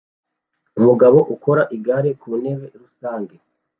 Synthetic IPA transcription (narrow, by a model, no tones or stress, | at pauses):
umuɡaβo̞ʔuko̞ɾaʔiɡaɾekuːne̞βe̞ɾusaːŋɡe